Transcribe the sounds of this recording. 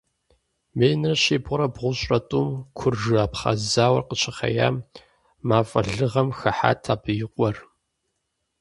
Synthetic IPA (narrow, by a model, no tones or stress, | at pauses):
meːjnɨrɕeːbʊɾɐbʁʷʊɕʼɐtʼuːmkʷʰʊrʐɨaːpχa̰zaːwɐrqət͡ʃʰɐχɐ̰ja̰ːm | maːfʼɐ̰ɮɨʁɐmxɐħa̰ːtʰaːbɨjɪqʷʼɔr